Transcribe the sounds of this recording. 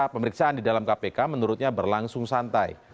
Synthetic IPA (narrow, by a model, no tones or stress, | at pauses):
pəməɾiksaʔandidalamkapekamənuɾʊt̪̚ɲabərlaŋsʊŋsant̪aj